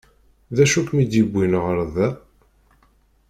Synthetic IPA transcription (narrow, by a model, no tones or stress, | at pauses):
ðæʃukmid̪jibːinʁəɾðæ